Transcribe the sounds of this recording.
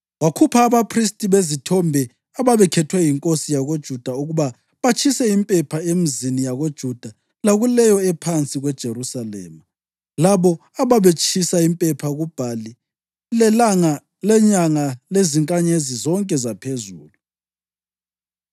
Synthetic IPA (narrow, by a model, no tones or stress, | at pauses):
wakʰupʰaːβapʰristʼiβezitʰɔmbʱɛ | aβaβɛkʰɛtʰwɛjiŋkʼosijaɣod̥ʒ̥ʱud̥ʱauɣuβa | βat͡ʃʰʼisɛimpʼɛpʰaemizinijaɣod̥ʒ̥ʱud̥ʱa | laɣulɛjɔɛpʰant͡sʼiɣwɛd̥ʒ̥ʱeɾusalɛ̰ːma | laβɔaβaβet͡ʃʼʰisaimpʼɛpʰaɣub̥ʱali | lɛlaŋa | lɛɲaŋaleziŋkʼaɲezizɔŋkʼɛzapʰezuːlu